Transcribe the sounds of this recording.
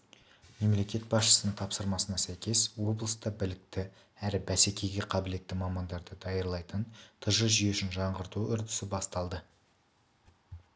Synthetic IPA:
me̞mle̞kʲe̞t̪̚bɑsʃə̥sənəɴt̪ʰɑpsəɾmɑsənɑsæjkʲe̞swo̞blˠəst̪əbɪlɪk̚t̪ɪ | æɾɪbæsekʲe̞jɡʲe̞qʰɑbɪle̞t̪ːɪmɑmɑnd̪ɑɾd̪əd̪ɑjəɾlˠɑjt̪ənt̪ʰəʒəʒijeʃɪnʒɑɴʁəɾt̪uʏɾd̪ɪ̥sɪbɑst̪ɑlˠd̪ə

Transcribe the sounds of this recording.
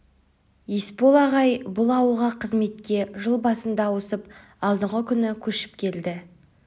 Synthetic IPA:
jespo̞lˠɑʁɑjbʊlˠɑwəlˠʁɑqʰəzme̞t̪kʲe̞ʒəlˠbɑsənd̪ɑwosəp | ɑlˠd̪əʁəkʲʰʏnɪkʲʰɵʃɪ̥p̚kʲʰe̞ld̪ɪ

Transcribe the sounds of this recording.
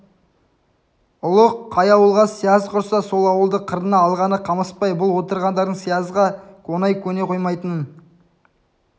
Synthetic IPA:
ʊlˠəqʰːɑjɑwəlˠʁɑsijɑzqʰʊɾsɑso̞lˠɑwəlˠd̪əqʰəɾənɑːlˠʁɑnəqʰɑməspɑjbʊlˠwo̞t̪əɾʁɑnd̪ɑɾd̪əɴsijɑzʁɑkʰonɑjkʲʰɵne̞qʰo̞jmɑjt̪ənən

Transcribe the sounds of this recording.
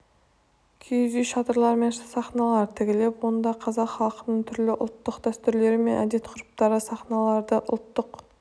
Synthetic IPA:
kʲʰejzijʃɑt̪əɾlˠɑɾme̞nʃsɑχnɑlˠɑɾt̪ʰɪkʲɪle̞pwo̞nd̪ɑqʰɑzɑqχɑlˠqənəɴt̪ʰʏɾlɪʔʊ̰lˠt̪ːəqd̪̥æst̪ʏɾle̞ɾɪme̞nʔæ̰d̪e̞t̪qʰʊɾʊp̚t̪ɑɾəsɑχnɑlˠɑɾd̪əʔʊ̰lˠt̪ːəq

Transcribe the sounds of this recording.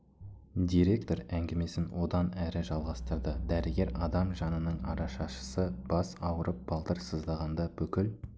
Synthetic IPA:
d̪ijɾe̞k̚t̪o̞ɾæŋɡʲeme̞sɪnwo̞d̪ɑnæɾɪʒɑlˠʁɑst̪əɾd̪əd̪æɾɪɡʲe̞ɾɑd̪ɑmʒɑnənəɴɑ̰ɾɑʃɑʃə̥səb̥ɑsɑwəɾʔəp̚b̥ɑlˠt̪əɾsəzd̪ɑʁɑnd̪ɑb̥ɵkʲɪl

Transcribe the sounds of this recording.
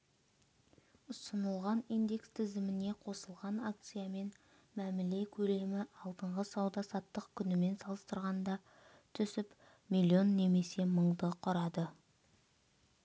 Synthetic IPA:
ʊsənəlˠʁɑnijnd̪e̞kst̪ʰɪzɪmɪne̞qʰo̞səlˠʁɑnak̚t̪sɨjame̞n | mæmɪle̞kʲʰɵle̞mɪʔɑlˠd̪əɴʁəsɑwd̪ɑsɑt̪ːəqkʲʰʏnɪme̞nsɑlˠəst̪əɾʁɑnd̪ɑ | t̪ʰʏsɪp | milʲːio̞nːe̞me̞se̞məɴd̪əqʰʊɾɑd̪ə

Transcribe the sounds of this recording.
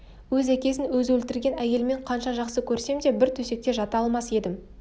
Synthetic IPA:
wɵzækʲe̞sɪnwɵzwɵlt̪ɪɾɡʲe̞næje̞lme̞ɴqʰɑnʃɑʒɑqsəkʲʰɵɾse̞md̪e̞bɪɾt̪ʰɵse̞k̚t̪e̞ʒɑt̪ɑɑlˠmɑse̞d̪ɪm

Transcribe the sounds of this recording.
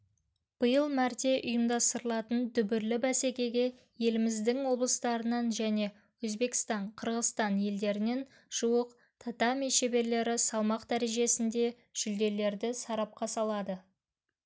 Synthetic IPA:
b̥əjəlˠmæɾt̪e̞ʔʊjəmd̪ɑst̪əɾəlˠɑt̪ənd̪ʰʏbɪɾlɪbæse̞kʲe̞ɡʲe̞ | je̞lɪmɪzd̪ɪŋwo̞blˠəst̪ɑɾənɑnʒæne̞ | wɵzbe̞kʲɪ̥st̪ɑɴqʰəɾʁəst̪ɑnje̞ld̪e̞ɾɪne̞n | ʒ̥uwəq̚ | t̪ʰat̪ɑmejʃe̞be̞ɾle̞ɾɪsɑlˠmɑqd̪æɾeʒe̞sɪnd̪e̞ | ʒ̥ʏld̪e̞le̞ɾd̪ɪsɑɾɑp̚qɑsɑlˠɑd̪ə

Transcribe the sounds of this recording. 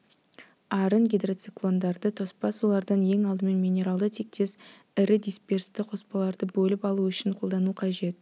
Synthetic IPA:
ɑɾənɡʲed̪ɾot̪siklˠo̞nd̪ɑɾd̪ət̪ʰospɑsulˠɑɾd̪ɑnje̞ŋɑlˠd̪əme̞nmijnʲe̞ɾalˠd̪ət̪ʰe̞k̚t̪e̞s | ɪɾɪd̪ʲijspʲeɾst̪ɪqʰo̞spɑlˠɑɾd̪əbɵlɪpɑlˠuʏʃɪɴqʰo̞lˠd̪ɑnuqʰɑʒe̞t̪

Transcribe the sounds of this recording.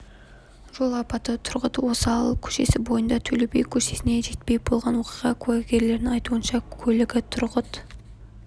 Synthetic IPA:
ʒ̥o̞lˠɑpɑt̪ət̪ʰʊɾʁət̪əwo̞səɑlˠəkʲʰɵ̥ʃe̞̰sɪbo̞jənd̪ɑt̪ʰɵlebe̞̰jkʲʰɵʃe̞sɪne̞ʒe̞t̪̚pe̞jbo̞lˠʁɑnwo̞qijʁɑkʲʰʉæɡʲe̞ɾle̞ɾnɪŋɑjt̪uənʃɑkʲʰɵlɪɡʲɪt̪ʰʊɾʁət̪

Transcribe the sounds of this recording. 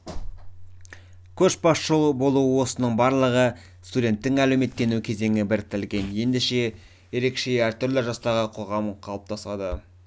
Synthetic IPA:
kʲʰɵʃbɑsʃəlˠbo̞lˠuəwo̞sənəɴbɑɾlˠəʁə | st̪udʲe̞nt̪ːɪŋælewme̞t̪ːe̞nukʲʰe̞ze̞ŋɪbɪɾt̪ʰɪlɡʲe̞nje̞nd̪e̞ʃe̞ | je̞ɾe̞kʃe̞æɾt̪ʰʏɾlɪʒɑst̪ɑʁəqʰo̞ʁɑmqʰɑlˠəp̚t̪ɑsɑd̪ə

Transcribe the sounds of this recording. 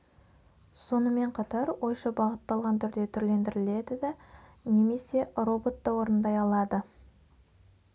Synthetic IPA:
so̞nəme̞ɴqʰɑt̪ɑɾwo̞jʃɑbɑʁət̪ːɑlˠʁɑnt̪ʰʏɾd̪e̞t̪ʰʏɾle̞nd̪ɪɾɪle̞d̪ɪd̪ɪne̞me̞se̞ro̞bo̞t̪ːɑwo̞ɾənd̪ɑjɑlˠɑd̪ə

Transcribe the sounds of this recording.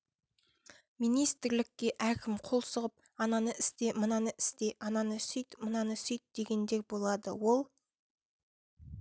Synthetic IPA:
mijnijst̪ɪɾlɪkʲːe̞ʔækʲʰɪmqʰo̞lˠsəʁəp̚ | ɑnɑnəʔɪst̪e̞mənɑnəʔɪ̥st̪e̞ʔɑnɑnəsʏjt̪mənɑnəsʏjt̪̚d̪̥e̞ɡʲe̞nd̪e̞ɾbo̞lˠɑd̪ə̰wo̞lˠ

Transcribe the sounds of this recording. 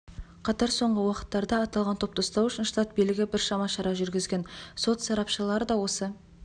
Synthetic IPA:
qʰɑt̪ɑɾso̞ɴʁəwɑqə̥t̪ːɑɾd̪ɑːt̪ɑlˠʁɑnt̪ʰo̞pt̪ʰost̪ɑɾʏʃɪnʃt̪at̪̚bijlɪɡʲɪbɪɾʃɑmɑʃɑɾɑʒʏɾɡʲɪzɡʲe̞nso̞t̪sɑɾɑpʃəlˠɑɾəd̪ɑwo̞sə

